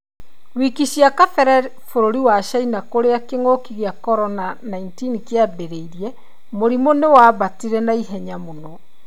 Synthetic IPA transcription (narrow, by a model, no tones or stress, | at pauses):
wikiɕiakafɛɾɛ | foɾoɾiwaʃainakoɾeakeŋoːkiɣeakɔɾɔnanaintinikeabeɾeiɾiɛ | moɾimonewaːβatiɾɛnaiɦɛɲamonɔ